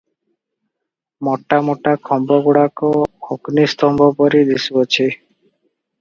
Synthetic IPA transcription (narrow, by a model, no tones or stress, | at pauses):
mɔʈːamɔʈakʰɔmbɔɡuɽakɔoknist̪ɔmbʱɔpɔɾid̪isbɔt͡ʃʰi